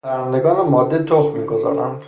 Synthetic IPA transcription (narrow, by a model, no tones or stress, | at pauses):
pʰæɾænd̪e̞ɡɒːnemɒːd̪ːet̪ʰoχmiːɡo̞zɒ̰ːɾæ̰nd̪̥